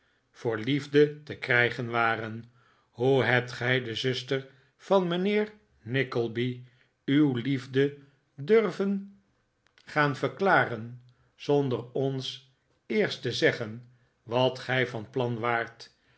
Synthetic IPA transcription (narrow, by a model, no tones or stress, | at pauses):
v̥ʊːɹlivdətəkrɛjχənʋaːrən | huɦɛp̚tχɛjdəzɵstər | v̥ɑnmənɪːɹ | nɪkəlˠbi | ywlivdə | dørvən | χaːnvəɹklaːrən | z̥ɔndərɔns | ɪːɹstəzɛχən | ʋɑtχɛjvɑnplɑnʋaːɹt